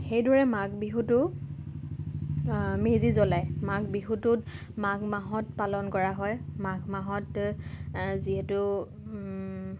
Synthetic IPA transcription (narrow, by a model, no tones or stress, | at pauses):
xejdɔɹɛmaɡbiɦutʊ | mezizɔlajmaɡbixutʊt | maɡmaɦɔtpalɔnkɔɹaɦɔjmaɡmaɦɔt | ziɦɛtʊ